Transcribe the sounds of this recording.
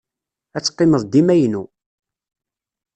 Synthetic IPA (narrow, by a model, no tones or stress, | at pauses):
æt͡sːqːɪməðˤd̪imæjnu